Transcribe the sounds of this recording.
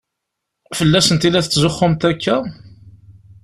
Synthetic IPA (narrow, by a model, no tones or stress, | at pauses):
fəlːæsənt̪ilæθət͡sːzʊχːʊmt̪ækːæ